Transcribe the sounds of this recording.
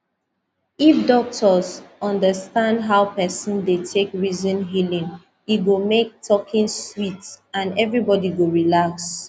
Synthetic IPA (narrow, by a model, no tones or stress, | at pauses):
ifdɔk̚tʰɔzɔ̃ndəstãndɦaʊpɛsɔ̃ndetʰekɹizɔ̃nɦilĩŋ | iɡomek̚tʰɔkʰĩŋswitãnɛvɹibɔdiɡoɹilaks